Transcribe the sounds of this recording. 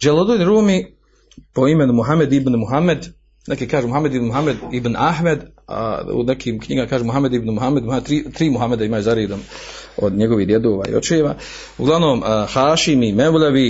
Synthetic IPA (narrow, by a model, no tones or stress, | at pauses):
d͡ʒelˠod̪uːlɾuːmi | po̞imenumuɦame̞d̪ibnmuɦamed̪ | nekikaːʒuːmuɦamed̪ibnmuɦamed̪ibnaɦmed̪ | a̰ṵnekʰiːmkɲḭɡamakaːʒuːmuɦame̞d̪ibnmuɦamed̪muhamed̪t̪ɾiːt̪ɾiːmuɦame̞d̪aimaːjuzaɾeːd̪oːmo̰d̪ɲeɡo̞ʋiɦd̪je̞d̪oːʋa̰ːḭo̞̰t͡ʃjeʋa̰ː | uɡlaʋnoːmhaːʃimimewleʋi